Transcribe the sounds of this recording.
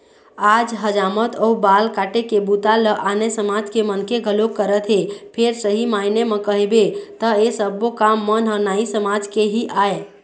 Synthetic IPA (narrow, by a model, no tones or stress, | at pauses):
ad͡ʒɦəd͡ʒamət̪ʰɔubalkaʈekebut̪aləʔanesəmad͡ʒkemənkeɡʱəlokːəɾət̪ɦepʰeɾsəɦimainemekəɦebet̪əesəbokamːənɦənaisəmad͡ʒkeɦiʔae